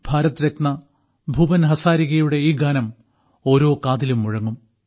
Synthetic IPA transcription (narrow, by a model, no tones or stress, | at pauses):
b̥ʱaːɾɐt̪ːɾek̚nɐ | bʱuːbɐnɦɐsaːɾiɣɐjuɽe̞iːɡaːnɐm | o̞ːɾo̞ːkaːðilumːuɻɐŋːum